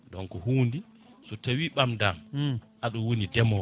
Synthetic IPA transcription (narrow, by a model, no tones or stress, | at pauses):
dɔnkɔhuːndi | sɔtawiɓamdamʔaɗɔwonidɛmɔ